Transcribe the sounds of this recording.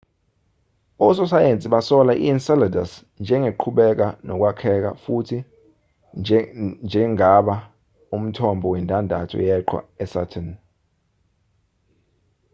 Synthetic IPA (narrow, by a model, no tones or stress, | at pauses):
ɔs̬ɔsajent͡sʼiɓasɔlaʔḭnsɛlada̰s | nd͡ʒʱɛŋɡʱeǃʰuɓɛk̬anɔk̬wakʰɛk̬a̰futʰi | nd͡ʒʱɛŋaɓa | um̩tʰɔmbʱɔwɛntʼandʱatʰɔ̰jɛǃʰwa̰ɛsa̰tʰɛn